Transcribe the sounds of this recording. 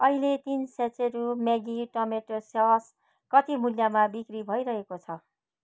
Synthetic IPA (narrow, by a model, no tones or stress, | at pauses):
ʌɦilet̪insat͡seɾumjaɡiʈʌmeʈosjas | kʌt̪imuljamabikɾibʱʌiɾʌɦekot͡sʰʌ